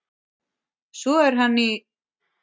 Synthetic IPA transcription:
sɔɛɾ̥ɦanːɪ

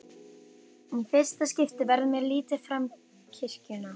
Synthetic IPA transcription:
ɛnfɪr̥st̪ascɪft̪ɪvɛɾðmjɛɾliːt̪ɪfɾam | cʰɪr̥cʏna

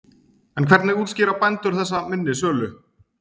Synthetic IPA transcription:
ɛnkʰvɛɾt̪nɪɣuːt̪scɪːɾapɛnt̪ʏɾ̥θɛsːamɪnːɪs̬œːlʏ

